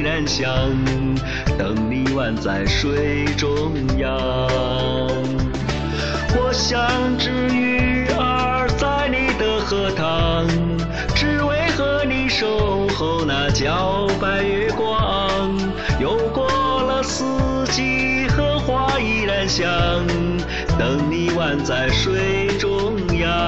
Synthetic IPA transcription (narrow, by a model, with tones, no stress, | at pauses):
ɻa˧˥nɕjɑ˧˩ŋ | t̪ɤ˨˩ŋli˧wa˥˧nt͡sa˥˧˩ɪʂwe˥ɪ | ʈ͡ʂʊ˧ŋjɑ˥˧ | ŋ | wɔ˨˧˩ɕjɑ˧˩ŋʈ͡ʂɻ̩˧˥y˧˩ə˧ | t͡sa˥˧ɪni˨˩d̪ə˧xɤ˧˥t̪ʰɑ˧ŋ | ʈ͡ʂɻ̩˧we˧˥ɪxɤ˧˥ni˧˥ʂo˧ʊxo˧˥ʊna˧˩t͡ɕjɑ˧˥ʊpa˧˩ɪɛ˧kwɔɑ˥ɑ˧ŋ | jo˧˩ʊkwɔ˥lə˧sɹ̩˥ | t͡ɕi˧˥ | xɤ˥xwa˥i˧˩ɻa˧˥nɕjɑ˧ŋ | t̪ɤ˨˩ŋni˧wa˥˧nt͡sa˥˧˩ɪʂwe˥ɪʈ͡ʂʊ˥ŋjɑ˧